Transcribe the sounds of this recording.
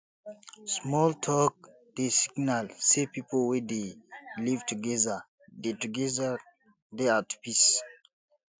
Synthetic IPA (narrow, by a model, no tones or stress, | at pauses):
smɔltʰɔk̚ | d̥esiɡnalsepipolwɛdelivtuɡɛða | detuɡɛða | deatpis